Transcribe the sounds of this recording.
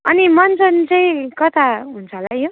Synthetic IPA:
ʌnimʌnt͡sʌnit͡sʌĩkʌt̪ʰaɦunt͡sʰʌlajjo

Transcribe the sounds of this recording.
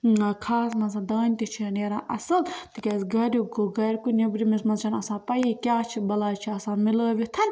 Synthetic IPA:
kʰaːsmɐnsɐd̪aːnʲt̪it͡ʃʰineːɾaːʔɐsɐlt̪ikʲaːsɡɐɾʲuɡoɡɐɾʲkunʲɐbɾimesmɐnzt͡ʃʰɐnɐsãːpɐjikʲaːt͡ʃʰibɐlaːt͡ʃʰiɐsaːnmiləːʋit̪ʰɐnʲ

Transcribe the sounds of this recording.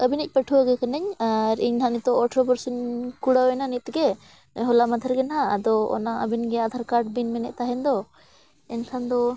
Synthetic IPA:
əbinic̚ˀpəʈʰuaɡɛkənəɲaɾiɲnanit̪ɔɔʈɾɔbəɾsənkuɽawɛnanit̪̚t̪ːɛɡɛ | nɔjɦɔlamad̪ʱəɾɡɛnɦaad̪ɔɔ̰naʔə̰binɡɛad̪ʱaɾkaɾɖ̚binmɛnɛʔ̚t̪aɦɛnd̪ɔ | ɛnsʰand̪ɔ

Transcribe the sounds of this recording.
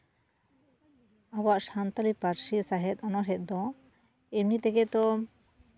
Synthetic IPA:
awaʔʃant̪alipaɾʃiʔsaɦɛt̪ɔnɔɦɛt̪̚ˀd̪ɔ | ɛmnit̪ɛɡɛt̪ɔ

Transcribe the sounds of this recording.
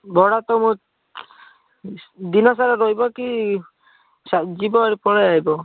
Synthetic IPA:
bʱɔɽat̪ɔmu | d̪inɔsaɾɔɾojbɔki | sad͡ʒibɔaɾipɔɾeaɦjbɔ

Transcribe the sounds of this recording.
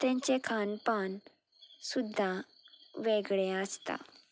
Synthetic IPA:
t̪ɛ̃ɲt͡ɕẽkʰanpan | sud̪ʱːa | ʋeɡɭeəst̪a̰

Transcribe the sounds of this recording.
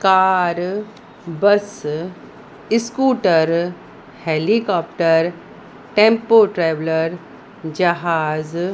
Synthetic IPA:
kaːɾ | bəs | ɪskuːʈəɾ | heːlikɔːp̚ʈəɾ | ʈẽːmpoːʈɾɛːʋləɾ | d͡ʒɐɦaːz

